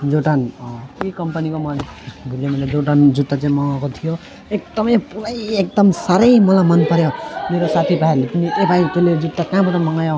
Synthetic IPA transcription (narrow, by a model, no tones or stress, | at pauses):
d͡zoʈanikʌmpʌnikomʌnbʱulemʌled͡zoʈand͡zut̪ːat͡saĩmʌŋakot̪ʰijo | ek̚d̪ʌmʌjpuɾʌjek̚d̪ʌmsaɾʌjmʌlamʌnpʌɾjomeɾosat̪ʰibʱaeɾlepʌniʔebʱajt̪eled͡zut̪ːakãbʌt̪amʌŋajo